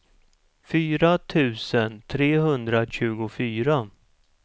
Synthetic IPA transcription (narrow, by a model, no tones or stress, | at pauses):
fyːɾat̪ʰʉ̟ːsənt̪ʰɾeːɦɵnd̪ɾaɕʉ̟ːɡʊfyːɾa